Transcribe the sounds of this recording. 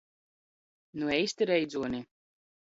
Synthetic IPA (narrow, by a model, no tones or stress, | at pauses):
nuɛjst̪iɾɛjd̪zuɔni